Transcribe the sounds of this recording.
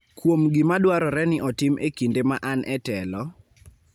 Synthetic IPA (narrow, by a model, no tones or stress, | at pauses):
kwomɡɪmadwaɾɔɾɛnɪʔɔtɪmekindemaʔanʔɛtɛlɔ